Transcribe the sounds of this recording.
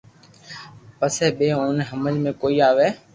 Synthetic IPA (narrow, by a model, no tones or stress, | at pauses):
pəsɛːɓeːoːnɦəməlmẽːkoːiːaːʋeː